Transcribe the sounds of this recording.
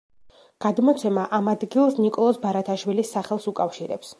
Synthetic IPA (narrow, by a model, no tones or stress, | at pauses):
ɡ̥ad̪mɔt̪sʰɛmaʔamad̪ɡilˠsnikʼɔlˠɔsbaɾat̪ʰaʃwilisːaχɛlˠsukʼafʃiɾɛ̰ps